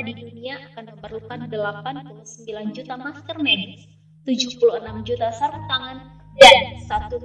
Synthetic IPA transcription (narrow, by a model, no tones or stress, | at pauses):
diduniaʔakanməmpərlukandəlapantəŋsəmbiland͡ʒut̪amask̪ərmɛdɪs | t̪ud͡ʒuhpuluənamd͡ʒut̪asarət̪aŋan | dansat̪u